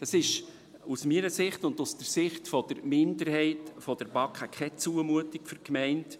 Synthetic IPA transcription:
d̥ɑsɪʃ | usmiːɾəsɪχtʊndustəɾsɪχtfɔd̥əɾmɪndəɾhɛɪtfɔd̥əɾbɑkχəkʰχɛt͡suəmuətikfʏɾkmɛɪnt

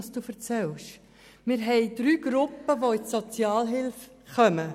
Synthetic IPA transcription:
sd̥uːfəɾt͡sɛlʃ | mɪɾɦɛɪd̪̥ɾyːɡɾʊpːəʋoɪdsot͡sjɑːlɦɪlf | χœmə

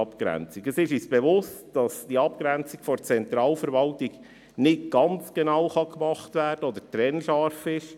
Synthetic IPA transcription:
ɑpkɾæ̰nt͡siɡəsɪʃyːsb̥ɛʋʊstd̥ɑsd̥iɑp̚kɾænt͡sikfɔɾt͡sɛnt̪ɾɑːlfəɾʋɑltiɡ | nɪtɡ̥ɑnt͡sɡ̥enɑwχɑkmɑχtvæːrd̥əɔd̪ətɾɛnʃɑɾfɪʃ

